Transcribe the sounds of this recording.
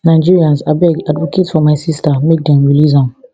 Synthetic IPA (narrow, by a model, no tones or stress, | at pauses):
nãɪd͡ʒiɹiãnzabɛɡadvokʰetfɔmãɪsistamek̚dãnwilizɔ̃n